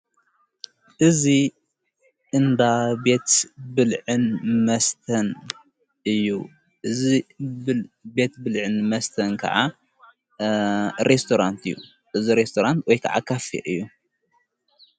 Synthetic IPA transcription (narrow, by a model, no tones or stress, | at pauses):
ʔɨzi | ʔɨnd̪abe̞t̪bɨlʕɨnmɐst̪ʰɐn | ʔɨjːu | ʔɨzibbe̞t̪bɨlʕɨnmɐst̪ʰɐnkʰɐ̰ʕa | ɾest̪ʰoɾant̪ʰɨjːṵ | ʔɨziɾest̪ʰoɾant̪wɔjkʰɐ̰ʕa̰kʰɐfḭʔɨjːu